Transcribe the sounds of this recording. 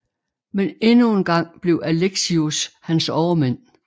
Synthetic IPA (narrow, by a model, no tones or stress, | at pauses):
menenue̝nɡ̥ɑ̈ŋ̰b̥le̝ʊʔæleɡ̥siushænsɒʊɐmen̰